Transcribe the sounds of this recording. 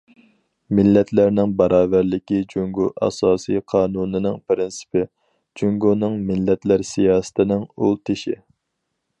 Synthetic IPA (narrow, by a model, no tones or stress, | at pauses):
mɪlːɛt̪ʰlæɾnɪŋbɑɾʔɑːvæɾlɪkʲid͡ʒyŋɡuʔɑ̰sɑːsijqʰɑːnunɪnɪŋpɾɪnsɪ̥pɪ | d͡ʒuŋɡunɨŋmɪlːɛt̪ʰlæɾsijɑːsɨ̥t̪ʰɪnɪŋulˠt̪ʰɪʃḭ